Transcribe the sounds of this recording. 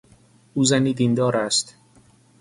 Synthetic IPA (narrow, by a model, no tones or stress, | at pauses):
ʔuːzæniːd̪ind̪ɒːɾæst̪